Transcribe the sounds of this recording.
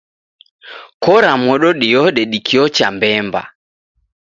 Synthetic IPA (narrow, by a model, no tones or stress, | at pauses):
kɔɾamɔɗɔɗiɔɗɛɗikiɔt͡ʃambɛmba̰